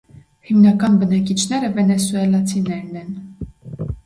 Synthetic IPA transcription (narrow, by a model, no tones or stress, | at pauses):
himnɑkɑnbənɑkit͡ʃʰnɛɾəvɛnɛsuɛlɑt͡sʰinɛɾnɛn